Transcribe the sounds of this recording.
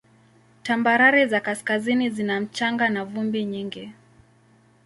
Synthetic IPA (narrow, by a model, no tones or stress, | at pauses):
tambaɾaɾizakaskazinizinam̩t͡ʃaŋɡanavumbiɲiŋɡi